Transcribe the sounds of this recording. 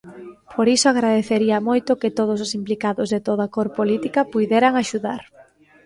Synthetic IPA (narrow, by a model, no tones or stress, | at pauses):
pʰoɾisoaɣɾaðeθeɾiɐmojt̪ʊkɪt̪oð̞os̬osimplikaðʊzðɪt̪oðɐkoɾpolit̪ikɐpujðɛɾɐŋaʃuða̰ɾ